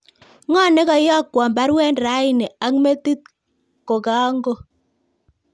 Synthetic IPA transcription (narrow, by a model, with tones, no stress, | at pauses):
ŋɔ˦˨ne˦ka˨jɔ˦kwɔ˨mba˦ɾwɛ˦nɾa˨˦ɪ˦nɛ˨a˦kme˦ti˦t̪̚ | ko˨ka˦ŋɡo˦